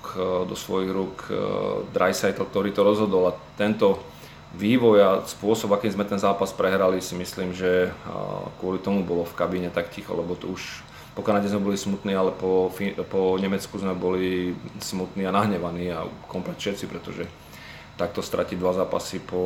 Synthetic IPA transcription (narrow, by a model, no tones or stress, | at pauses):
kd̪ɔsʋɔjiɣɾuːk | d̪ɾa̰jsajt̪l̩k̚t̪ɔɾiːt̪ɔɾɔzɦɔd̪ɔlat̪ɛnt̪ɔ | ʋiːʋɔjaspʊɔsɔbakiːmzmɛt̪ɛnzaːpaspɾɛɦɾalisimisliːmʒɛ | kʊɔlit̪ɔmubɔlɔfkabiɲɛt̪akcixɔ̰lɛbɔt̪ɔuʃ | pɔkanaɟɛzmɛbɔlismut̪niːalɛpɔfipɔɲɛmɛt͡skuzmɛbɔlismut̪niːanaɦɲɛʋaniːa̰kɔmplɛt̪fʃɛt̪t͡sipɾɛt̪ɔʒɛ | t̪ak̚t̪ɔst̪ɾʔa̰cid̪ʋazaːpa̰sipɔ